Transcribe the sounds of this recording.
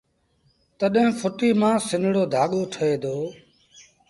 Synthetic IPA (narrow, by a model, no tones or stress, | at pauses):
t̪əɗɦẽfʰʊʈiːmãːsɪnɽoːd̪ʱaːɠoːʈʰəeːd̪ʱoː